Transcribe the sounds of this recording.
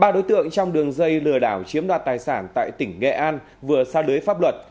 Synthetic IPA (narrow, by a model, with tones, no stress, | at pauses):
ɓaː˧˩ɗo˨˦jt̪ɨ̰˧˨əŋt͡ɕɔ˧wŋ͡mɗɨ˨˩əŋzə˧jlɨ˨˩əɗaː˧˩wt͡ɕi˨˦əmɗwaː˨˩t̚t̪aː˨˩jsaː˧˩nt̪a̰ː˧˨jt̪ï˧˩ŋ̟ŋɛ̰˧˨ʔaː˧n | vɨ˨˩əsaː˧lɨː˨˦əjfa˦˥p̚lwə˨˩t̚